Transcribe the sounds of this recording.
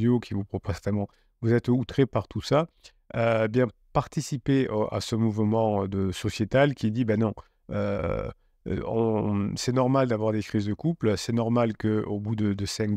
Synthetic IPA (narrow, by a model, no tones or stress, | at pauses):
okʲivupχɔpozt̪ɛmɑ̃ | vuzɛt̪ut̪χepaʁt̪ʰusa | øebjɛ̃ | paʁt̪isipea̰səmuvmɑ̃ød̪əsɔsjet̪alkʲid̪ibɛnɔ̃ | ø̰ | ɔ̃sɛnɔʁmald̪avwaʁd̪ekχizd̪əkuplsɛnɔʁmalkəobud̪əd̪əsɛ̃k